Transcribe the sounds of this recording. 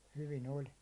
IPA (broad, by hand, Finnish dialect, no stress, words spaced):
hyʋin olʲ